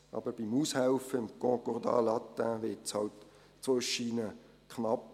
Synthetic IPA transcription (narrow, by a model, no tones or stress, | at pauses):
ʔɑ̰ːb̥əɾb̥imuːshæwfəɪmkɔ̃kɔʁd̪ɑ̰ːlɑt̪ːæʋɪtshɑ̰wt̪ː | t͡sʋojʃiːnə | knɑp